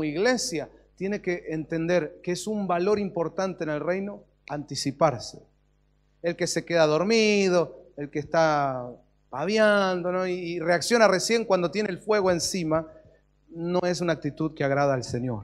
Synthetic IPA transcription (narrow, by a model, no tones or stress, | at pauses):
iɣle̞sjat̪jene̞keʔːnt̪e̞nd̪eɾkeesumbalo̞ɾimpo̞ɾt̪ant̪eːnelrejno̞ | ant̪isipaɾse̥ | elke̞sekeðaðo̞ɾmið̞o̞elkest̪a | paβjand̪onoiːreaksjo̞naresje̞ŋkwand̪o̞t̪je̞nelfwe̞ɣo̞e̞nsima | nõe̞s̬unak̚t̪it̪uðkeaɣɾað̞aːlseɲjo̞̰ɾ